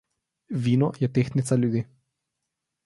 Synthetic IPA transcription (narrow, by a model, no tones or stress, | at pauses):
ʋiːnɔjɛt̪eːxnit̪salʲjud̪i